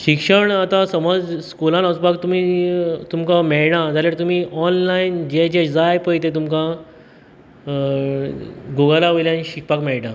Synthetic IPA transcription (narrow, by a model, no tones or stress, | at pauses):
ɕikʂəɳat̪ãsəməd͡zskulãnəsbaɡ̚t̪um̤iːt̪umkamɛɭɳad͡zaɾljaɽt̪um̤iːʔɔnlaind͡ʑed͡ʑed͡zajpəjt̪et̪umkã | ɡoɡəlaʋəjljãniɕik̚pakmɛɭʈã